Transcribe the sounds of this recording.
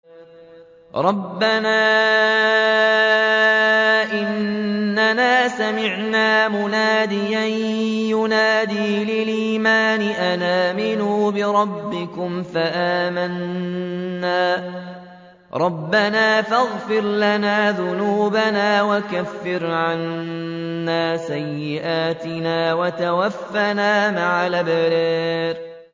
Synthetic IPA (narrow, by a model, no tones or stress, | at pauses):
ɾˤɑbːanaː | ʔɪnːanaːsamɪʕnaːmʊnaːd̪ɪjanjʊnaːd̪iːlɪliːmaːnɪʔanaːmɪnuːbɪɾˤɑbːɪkʊmfaʔaːmanː | aː | ɾˤɑbːanaːfaɣfɪɾlanaːðʊnuːbanaːwakafːɪɾʕanː | aːsajːɪʔaːt̪ɪnaːwat̪awafːanaːmaʕalabaɾiːɾ